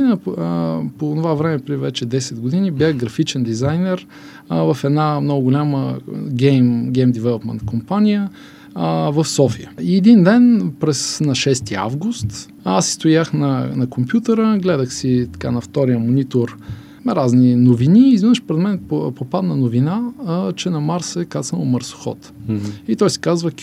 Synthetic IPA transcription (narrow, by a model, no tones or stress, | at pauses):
inə | poːnovavɾɛmɛpɾɛivɛt͡ʃɛd̪ɛsɛd̪ɡod̪inibʲjaɣɡɾɐfit͡ʃɛnd̪izajnɛɾ | vəfɛd̪namnɔɡʊɡʊlʲaməɡʲɛmɡʲɛjmd̪ɛvɛlˠopmɛ̰nt̪kʰompanʲijə | vəfsɔfijə̰iɛd̪ind̪ɛnpɾɛsnɐʃɛst̪ia̰vɡʊst̪ | asːi̥st̪ojaxnɐnɐkompjut̪əɾəɡlɛd̪əxsit̪ɐ̥kanɐft̪ɔɾijəmonit̪oɾ | ɾazninoviniːzvinəʃpoɾɛd̪mɛnpopad̪nɐnʊvinat͡ʃɛnɐmaɾsɛkasnəlˠməɾsʊ̥xɔ̰t̪it̪ɔjsi̥kazvək